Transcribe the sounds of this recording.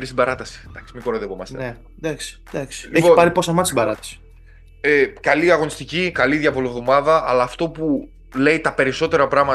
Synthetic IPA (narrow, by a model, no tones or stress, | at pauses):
ɾist̪ibɐɾɐt̪ɐsi̥d̪ɐksi̥mikoɾoðepomɐsne | d̪ɐksi̥d̪ɐksi̥leçpiopɐɾiposɐmɐt̪sibɐɾɐt̪ɐ̥si̥ | ekɐliɐɣo̞nist̪icikɐliðjɐvoliovðo̞mɐðɐɐlɐːft̪o̞pu | le̞jt̪ɐpe̞ɾiso̞t̪e̞ɾɐpɾɐɣmɐ